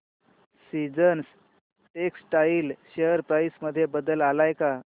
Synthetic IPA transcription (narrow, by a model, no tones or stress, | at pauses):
sid͡zəns | ʈeksʈailɕejəɾpɾajsməd̪ʱːjebəd̪əlalajka